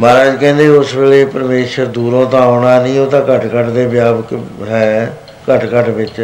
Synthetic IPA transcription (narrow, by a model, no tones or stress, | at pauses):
maːɾaːd͡ʒkɛ̃ːnd̪eːʊsʋeːleːpəɾmeːʃəɾd̪uːɾõːt̪ãːaːɽaːnĩːoːt̪ãːkəʈkəʈd̪eːbjaːʋəkɦɛː | kəʈkəʈʋɪt͡ʃ